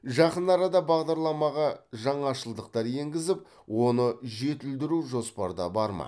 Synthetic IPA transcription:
ʒɑqənɑɾɑd̪ɑbɑʁd̪ɑɾlˠɑmɑʁɑʒɑɴɑʃəlˠd̪əq̚t̪ɑɾje̞ŋɡʲɪzɪp̚ | wo̞nəʒe̞t̪ɪld̪ɪɾuʒo̞spɑɾd̪ɑ̰bɑɾmɑ̰

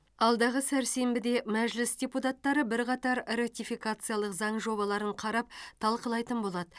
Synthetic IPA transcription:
ɑlˠd̪ɑʁəsæɾse̞mbɪd̪e̞mæʒlɪsd̪ʲeput̪at̪ːɑɾəbɪɾqɑt̪ɑɾɾat̪ʲijfijkat̪sɨjalˠəqzɑɴʒo̞βɑlˠɑɾəɴqʰɑɾɑp̚t̪ʰɑlˠqəlˠɑjt̪ənbo̞lˠɑd̪ə

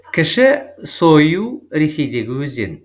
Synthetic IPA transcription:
kʰʲɪʃɪsojuːɾesejd̪eɡɪwzḛn

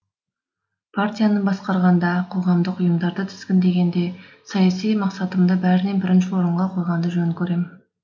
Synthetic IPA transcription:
pʰart̪ʲijanəbɑsqɑɾʁɑnd̪ɑqʰo̞ʁɑmd̪əqʊjəmd̪ɑɾd̪ət̪ʰʏ̥z̥kʲɪnd̪e̞ɡʲe̞nd̪e̞ | sɑjɑsijmɑqsɑt̪əmd̪əbæɾɪne̞bɪɾɪnʃɪwo̞ɾəɴʁɑqʰo̞jʁɑnd̪əʒɵnkʲʰɵɾe̞mɪn

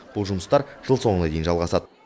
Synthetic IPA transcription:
b̥ʊlˠʒʊməst̪ɑɾʒəlˠso̞ɴənɑd̪e̞jɪnʒɑlˠʁɑsɑd̪ə

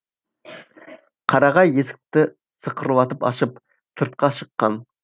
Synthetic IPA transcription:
qʰɑɾɑʁɑjesɪ̥k̚ʲt̪ɪ | səqʰəɾɨwɑt̪ɨpɑ̰ʃɨp | sʰɨɾt̪̚qʰɑʃəqːɑn

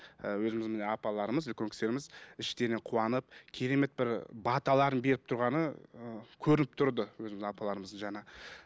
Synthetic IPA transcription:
əwɵzɪmɪzmeneɑpɑlˠɑɾəməzlkʲʰøŋkʲɪ̥se̞ɾɪmɪzɪʃt̪e̞ɾɪne̞ɴqʰuɑnəp̚kʲʰe̞ɾe̞me̞t̪̚bɪɾbɑt̪ɑlˠɑɾənbe̞ɾɪp̚t̪ʰʊɾʁɑnə | kʲʰɵɾɪnɪp̚t̪ʰʊɾd̪əwɵzɪmɪzɪɑpɑlˠɑɾəməzəʒɑnɑ

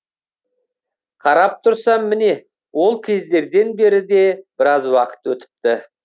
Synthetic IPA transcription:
qʰɑɾɑp̚t̪ʰʊɾsɑmːɪne̞ | wo̞lˠkʲʰe̞zd̪e̞ɾd̪e̞nbe̞ɾɪd̪e̞b̥ɪɾɑzwɑqə̥t̪wɵt̪ɪ̥p̚t̪ɪ

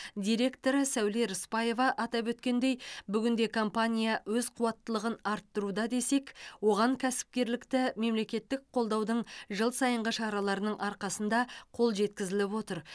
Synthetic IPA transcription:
d̪ʲijɾe̞kt̪o̞ɾəsæwle̞ɾʊspɑje̞vɑʔɑt̪ɑpwɵt̪kʲe̞nd̪e̞jbʏɡʲɪnd̪e̞kʰo̞mpanʲijawɵzqʰuwɑt̪ːəlˠəʁənɑɾt̪ːəɾud̪ɑd̪e̞se̞kwo̞ʁɑŋkʲʰæsɪ̥p̚kʲe̞ɾlɪkt̪ɪme̞mle̞kʲe̞t̪ːɪk̚qʰo̞lˠd̪ɑwd̪əɴʒəlˠsɑjəɴʁəʃɑɾɑlˠɑɾənəɴʔɑɾqɑsənd̪ɑqʰo̞lˠʒe̞t̪kʲɪzɪlɪpwo̞t̪əɾ

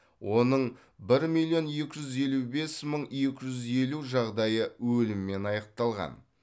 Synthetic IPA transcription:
wʔo̞nəɴ | bɪɾmilʲˠjo̞nje̞kʲɪʒʏze̞lube̞sməɴjekʲɪʒʏze̞luʒɑʁd̪ɑjəwɵlɪmɪme̞nɑjɑq̚t̪ɑlˠʁɑ̰n

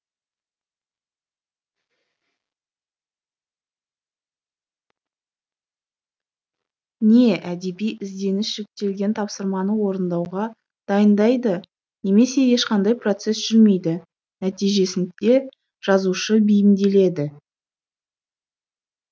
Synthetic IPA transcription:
ne̞ʔæd̪e̞bijʔɪzd̪e̞nɪsʒ̥ekt̪e̞lɡʲe̞nt̪ʰɑpsəɾmɑnəwo̞ɾənd̪ɑwʁɑ | d̪̥ɑjənd̪ɑjd̪ə | ne̞me̞se̞je̞ʃqɑnd̪ɑjpro̞t̪se̞sʒ̥ʏlme̞jd̪ɪ | næt̪ijʒe̞sɪnd̪e̞ | ʒ̥ɑzuʃəbɪjɪmd̪e̞le̞d̪ɪ

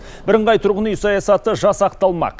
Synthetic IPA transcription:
bɪɾəɴʁɑjt̪ʰʊɾʁənyjsɑjɑsɑt̪əʒɑsɑqt̪ɑlˠmɑ̰q

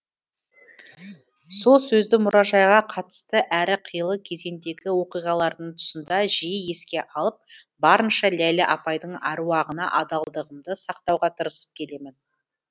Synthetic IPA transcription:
so̞lˠsɵzd̪ɪmʊɾɑʒɑjʁɑqʰɑt̪ə̥st̪əʔæɾɪqʰəjəlˠəkʲʰe̞ze̞nd̪e̞ɡʲɪwo̞qijʁɑlˠɑɾd̪əɴt̪ʰʊ̥sənd̪ɑʒijɪje̞skʲe̞ʔɑlˠəp̚ | bɑɾənʃɑlælɪʔɑpɑjd̪əɴɑ̰ɾuwɑʁənɑ̰ʔɑd̪ɑlˠd̪əʁəmd̪əsɑq̚t̪ɑwʁɑt̪ʰəɾəsə̥p̚kʲʰe̞le̞mɪn

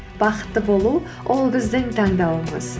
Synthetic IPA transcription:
b̥ɑqə̥t̪ːəbo̞lˠu | wʔo̞lˠbɪzd̪ɪŋt̪ʰɑɴd̪ɑwəmə̰z

